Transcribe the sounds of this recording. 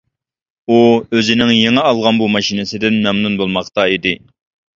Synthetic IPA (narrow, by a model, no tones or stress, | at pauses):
uøzɪnɪŋjeŋɛɑlˠʁɑnbumɑʃinɪsɪd̪ɪnmɛmnunbolˠmɑqt̪ɑid̪ɪ